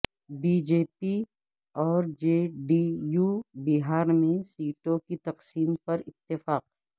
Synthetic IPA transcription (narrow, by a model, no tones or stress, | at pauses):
biːd͡ʒeːpi | ɔːɾd͡ʒeːɖijuːbɪɦaːɾmẽsiːʈõkit̪ɐqsiːmpɐɾɪt̪ːɪfaːq̚ː